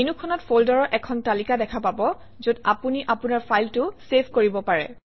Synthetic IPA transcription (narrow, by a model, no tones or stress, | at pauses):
inukʰɔnɔtfoldɔɹɔʔɛkʰɔntalikadɛkʰapabɔ | zoda̰puniʔapunaɹpʰajltʊsepʰkoɹibɔpaɹɛ̰